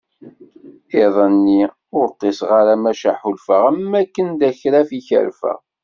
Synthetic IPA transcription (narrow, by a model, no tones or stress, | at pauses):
ɪðˤənːi | ʊɾt̪ˤːesʁaɾamæʃaħulfəʁæmːækːənd̪æçɾæfiçə̰ɾfæ̰